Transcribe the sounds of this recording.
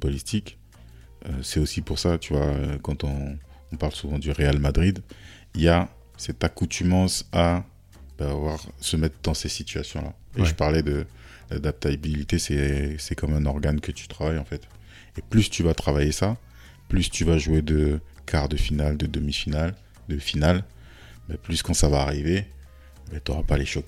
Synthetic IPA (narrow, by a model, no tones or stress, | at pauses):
pɔlit̪ik | øsɛosipuʁsat̪yvwaøkɑ̃t̪ɔ̃ː | paʁlsuvɑ̃d̪yʁealmad̪ʁid̪ | ija | sɛt̪akut̪ʰymɑ̃sa | b̥aːvwaʁsəmɛt̪χd̪ɑ̃sesit̪yasjɔ̃la̰eʒəpaʁlɛd̪ə | d̪lad̪ap̚t̪abilit̪esɛsɛkɑmɛ̃nɔʁɡankət̪y̥t̪χavajɑ̃fɛt̪ | eplyst̪yvat̪χavajesa | plyst̪yvaʒued̪əkʰaʁd̪əfinald̪əd̪əmifinal | d̪əfinal | bɛplyskɑ̃savaːʁive | bɛt̪yoʁapaleʃɔk